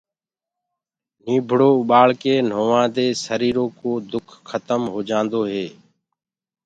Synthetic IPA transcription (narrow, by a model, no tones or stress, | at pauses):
niːbʱɽoːʊɓaːɭkeːn̤oːʋãːd̪eːsəɾiːɾoːkoːd̪ʊkʰxʰət̪əmɦoːd͡ʒãːnd̪oːɦeː